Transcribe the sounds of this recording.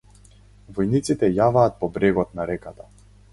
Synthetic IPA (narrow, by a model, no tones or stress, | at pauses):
vɔjnit̪sit̪ɛjavaːt̪̚pɔbɾɛɡɔt̪̚naɾɛkat̪a